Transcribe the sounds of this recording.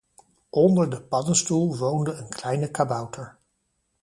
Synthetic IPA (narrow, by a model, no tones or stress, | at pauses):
ʔɔndəɹdəpɑdənstulˠʋowndəənklɛjnəkabɑwtʰəɹ